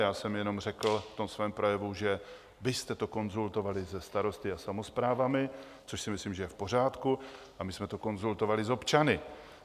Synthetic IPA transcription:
jaːsɛmjɛno̞mrɛkl̩ft̪o̞msvɛːmpɾo̞jɛvuʒɛ | vɪst̪ɛt̪o̞ko̞nzult̪o̞valɪzɛst̪aɾo̞st̪ɪasamo̞spɾaːvamɪ | t͡so̞ʃsɪmɪsliːmʒɛjɛfpo̞r̝aːt̪ku | ʔamɪsmɛt̪o̞ko̞nzult̪o̞valɪzo̞pt͡ʃanɪ

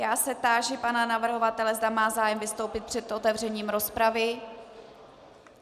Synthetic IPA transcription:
jaːsɛp̚t̪aːʒɪpananavr̩ɦo̞vat̪ɛlɛzdamaːzaːjɛmvɪst̪o̞wpɪt̪̚pr̥ɛt̪ʔot̪ɛvr̝ɛɲiːmɾo̞spɾavɪ

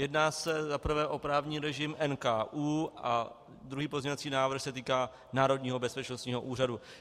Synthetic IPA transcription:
jɛdnaːsɛzapr̩vɛːʔo̞pɾaːvɲiːɾɛʒɪmʔɛnkaːʔuːʔa | d̪ɾuɦiːpozɲoat͡siːnaːvɾ̩xsɛt̪iːkaː | naːɾo̞dɲiːɦo̞bɛspɛt͡ʃnost̪ɲiːɦo̞ʔuːradu

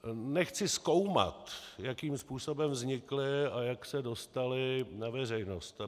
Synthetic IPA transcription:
nɛxt͡sɪsko̞wma̰t̪jakiːmspuːso̞bɛmvzɲɪklɪajaksɛdo̞st̪alɪnavɛr̝ɛjno̞st̪

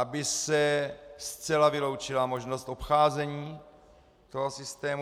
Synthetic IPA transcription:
ʔabɪsɛst͡sɛlavɪlo̞wt͡ʃɪlamo̞ʒno̞st̪ʔo̞pxaːzɛɲiː | t̪o̞ɦo̞sɪst̪ɛːmu

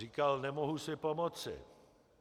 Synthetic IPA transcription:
iːkalnɛmoɦusɪpomot͡sɪ̰

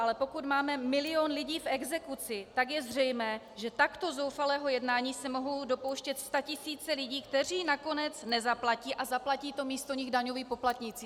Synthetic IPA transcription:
ʔalɛpo̞kut̪maːmɛmɪlɪo̞nlɪɟiːfɛɡzɛkut͡sɪt̪akjɛzr̝ɛjmɛː | ʒɛt̪akt̪o̞zo̞wfalɛːɦo̞jɛdnaːɲiːsɛmoɦo̞wdo̞po̞wʃcɛt̪st̪acɪsiːt͡sɛlɪɟiːkt̪ɛr̝iːnako̞nɛt͡snɛzaplaciːʔazaplaciːt̪o̞miːst̪oɲɪɣdaɲo̞viːpo̞plat̪ɲɪt͡siː

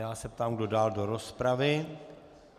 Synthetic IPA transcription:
jaːsɛp̚t̪aːmɡdo̞daːldo̞ɾospɾavɪ

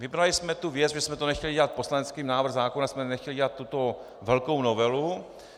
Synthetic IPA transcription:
vɪbɾalɪsmɛt̪uvjɛt͡sʒɛsmɛt̪onɛxcɛlɪɟɛlat̪̚poslanɛt͡skiːmnaːvɾr̩ɣzaːkonasmɛnɛxcɛlɪɟɛlat̪ːut̪o̞ | vɛlko̞wno̞vɛlu

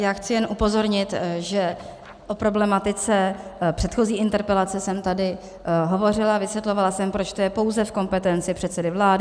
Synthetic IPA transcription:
jaːxt͡sɪjɛnʔupo̞zo̞ɾɲɪt̪ʒɛ | ʔo̞pɾo̞blɛmat̪ɪt͡sɛpr̥ɛt̪xo̞ziːɪnt̪ɛɾpɛlat͡sɛsɛmt̪adɪ | ɦo̞vo̞r̝ɪlavɪsvjɛt̪lo̞valasɛmpɾo̞t͡ʃt̪ojɛpo̞wzɛfko̞mpɛt̪ɛnt͡sɪpr̥ɛt̪sɛdɪvlaːdɪ

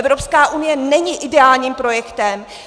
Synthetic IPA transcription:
ɛvɾopskaːʔunɪjɛnɛɲiʔɪdɛaːlɲiːmpɾo̞jɛkt̪ɛm

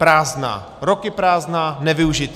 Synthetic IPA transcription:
pɾaːzna̰ː | ɾokɪpɾaːznaːnɛvɪuʒɪt̪

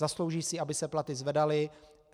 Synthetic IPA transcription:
aslowʒiːsɪʔabɪsɛplat̪ɪzvɛdalɪ

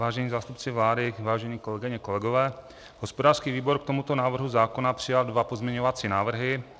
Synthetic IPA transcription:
vaːʒɛɲiːzaːst̪upt͡sɪvlaːdɪvaːʒɛɲiːko̞lɛɡɪɲɛkolɛɡovɛː | ɦospodaːrskiːviːboɾkt̪omut̪o̞naːvr̩ɦuzaːkonapr̥ɪjaldvapozmɲɛɲovat͡siːnaːvr̩ɦɪ

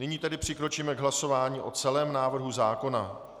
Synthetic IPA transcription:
nɪɲiːt̪ɛdɪpr̝̥ɪkɾo̞t͡ʃiːmɛɡɦlaso̞vaːɲiːʔo̞t͡sɛlɛːmnaːvr̩ɦuzaːko̞na

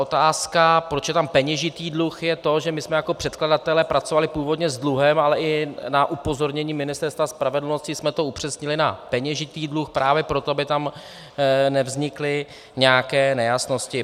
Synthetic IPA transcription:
ot̪aːskapɾo̞t͡ʃjɛt̪ampɛɲɛʒɪt̪iːdluxjɛt̪o̞ʒɛmɪsmɛjako̞pr̥ɛt̪kladat̪ɛlɛpɾat͡so̞valɪpuːvo̞dɲɛzdluɦɛmalɛʔɪnaʔupo̞zo̞ɾɲɛɲiːmɪnɪst̪ɛɾst̪vaspɾavɛdl̩no̞scɪsmɛt̪o̞upr̝̥ɛsɲɪlɪnapɛɲɛʒɪt̪iːdluxpɾaːvjɛpɾo̞t̪oabɪt̪am | nɛvzɲɪklɪ | ɲɛakɛːnɛjasno̞scɪ

